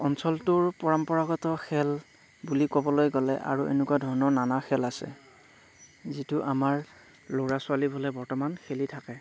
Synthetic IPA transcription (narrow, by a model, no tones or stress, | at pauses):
ɔnsɔltʊɹpɔɹampɔɹaɡɔtɔxɛl | bulikobɔlojɡɔlɛ̰ʔa̰ɹuʔḛnɛkuwadʱɔɹnɔnanaxʰɛlasɛ̰ | zitʊʔamaɹ | loɹasʊalibʱɔlɛbɔɹtɔmanxʰelitʰakɛ